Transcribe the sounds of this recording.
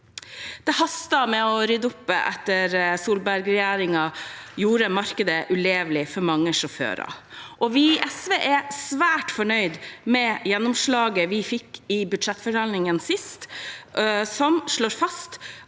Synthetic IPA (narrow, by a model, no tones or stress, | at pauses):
d̪̥ɛhɑst̪ɑmɛɔɾʏd̪ʊpːə̰ʔɛt̪ːəɾsuːlbæɾɡɾɛjæːɾɪŋɑjuːɾəmɑɾkəd̪əʔʉleːʋlɪfɔɾmɑŋːəʂɔfø̰ːɾɑ̰ | ʔɔʋɪʔɛsʋeːʔæsʋæːʈfɔɳœʏd̪mɛjɛnːʊmʂɭɑːɡəʋɪfɪkːɪbʉd̪ʂɛt̪ːfɔɖɑlnɪŋənsɪst̪ | sɔmʂɭoːɾfɑst̪